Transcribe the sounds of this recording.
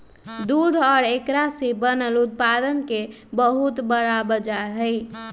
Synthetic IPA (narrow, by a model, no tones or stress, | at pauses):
d̪ud̪ʱɔɾekɾasibənəlut̪̚pad̪ənke | bəɦut̪bəɽabəd͡ʒaɾɦəɪ